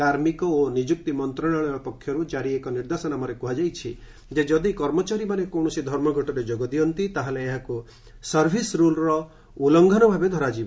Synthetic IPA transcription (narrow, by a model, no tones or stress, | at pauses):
kaɾmikɔonid͡ʒuk̚t̪imɔnt̪ɾɔɽɔɭ̃ɔɔpɔkʰːjɔɾud͡ʒaɾiekɔniɾd̪asɔnamɔɾekuɦad͡ʒajt͡ʃʰi | d͡ʒed͡ʒɔd̪ikɔɾmɔt͡ʃaɾimanekɔw̃ɔsid̪ʱɔɾmɔɡʱɔʈɔɾed͡ʒoɡɔd̪iɔnt̪it̪aɦeleːɦaku | sɔɾbʱisɾulɾɔ | ulɔŋɡʱɔnɔbʱabed̪ʱɔɾad͡ʒib